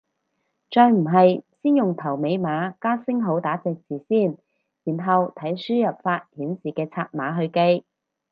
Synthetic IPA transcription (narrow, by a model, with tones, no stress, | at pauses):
t͡ʃɔː˧jm̩˨˩ɦɐ˨jsiː˥njʊ˨ŋt̪ʰɐ˨˩wme˨˧jmaː˨˥kaː˥sɪ˥ŋɦo˨˥wt̪aː˨˥t͡sɛː˧k̚t͡siː˨˩siː˥˩n | jiː˨˩nɦɐ˨wt̪ʰɐ˨˥jsyː˥jɐ˨p̚faː˧t̚hiː˨˥nsiː˨kɛː˧t͡sʰaː˧t̚maː˨˥ɦɵ˧ɥke˥j